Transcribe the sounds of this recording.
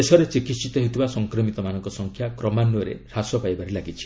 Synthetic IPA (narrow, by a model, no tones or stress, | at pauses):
esɔɾet͡ʃikit̪sit̪ɔɦet̪ʰibasɔŋkɾɔmit̪ɔmanɔŋkɔsɔŋkʰjakɾɔmanːuɔɾḛɾasɔpajbaɾelaɡit͡ʃʰi̥